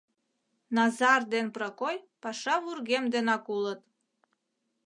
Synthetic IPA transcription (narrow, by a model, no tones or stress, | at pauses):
nɑzɑrd̪enprɑkojpɑʃɑvurɡemd̪enɑkulət̪